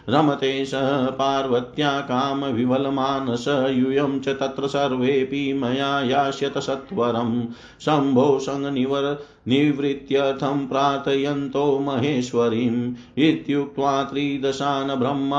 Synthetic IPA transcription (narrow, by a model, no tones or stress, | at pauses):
ɾɐmɐt̪eːʃɐɦɐpaːɾʋɐt̪jaːkaːmɐʋʱiʋɐlɐmaːnɐsɐɦjujɐmt͡ʃɐt̪ɐt̪ɾɐsɐɾʋeːpimɐjaːjaːʃjɐt̪ɐsɐt̪ʋɐɾɐm | sɐmbʱowsɐ̃ŋɡniʋɐɾɐ | niʋɾit̪jɐt̪ʰɐmpɾaːt̪ɐjɐnt̪oːmɐɦeːʃʋɐɾiːm | it̪juk̚t̪ʋaːt̪ɾiːd̪ɐʃaːnɐbʱɾɐmː